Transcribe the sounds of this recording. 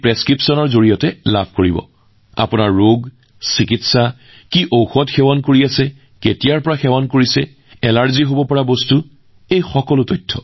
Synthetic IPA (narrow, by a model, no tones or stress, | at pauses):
pɹɛskɹipsɔnɔɹzoɹijɔtɛla̰bʰʱkoɹibɔ̰ | a̰pʊnaɹːoɡ | sikitsa | kiʔowxɔtxɛwɔnkoɹiasɛ | ketijaɹpɔɹaxɛwɔnkoɹisɛ | ɛlaɹziɦobɔpɔɹabɔstu | ejxɔkɔlʊtɔjtʰːɔ